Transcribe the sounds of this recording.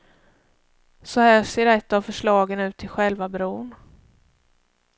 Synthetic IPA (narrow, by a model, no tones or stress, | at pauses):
sɔhæːʂeːɾɛt̪ːavfœʂɭɑːɡənʉ̟ːt̪ʰːɪlɧɛlvabɾuːn